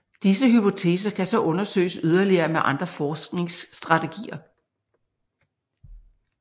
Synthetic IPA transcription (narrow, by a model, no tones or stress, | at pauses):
d̥isəɦypʰo̝t͡sʰe̝ːs̬ɐkʰæsɒ̽ʔɔ̽nɐsø̰ːɪsyð̞ˠɐliɐːmeʔɑ̈nd̥ʁɐfɒːsɡ̥ne̝ŋsd̥ʁɑ̈t͡sʰe̝ɡ̥ḭːɐ